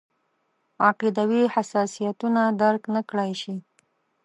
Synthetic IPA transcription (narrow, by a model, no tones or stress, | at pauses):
ɑqid̪awihasɑsijat̪unad̪aɾknəkɽajʃi